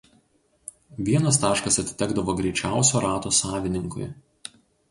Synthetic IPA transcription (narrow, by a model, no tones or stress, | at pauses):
ʋʲiɛnɐst̪ɑːʃkɐsɐt̪ʲɪ̥t̪ʲɛɡd̪ɐʋoːɡɾʲɛɪt͡ʃʲæˑʊsʲoːɾɑːt̪oːsɑːʋʲɪnʲɪŋkʊɪ